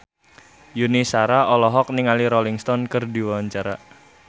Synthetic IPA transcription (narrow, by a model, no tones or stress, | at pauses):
junisaɾaɔlɔɦɔk̚niŋaliɾɔliŋst̪ɔnkərdiwaɲt͡ʃaɾa